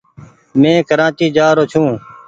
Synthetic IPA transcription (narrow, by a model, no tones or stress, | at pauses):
mẽːkəɾãːt͡ʃiːd͡ʒaːɾoːt͡ʃʰũː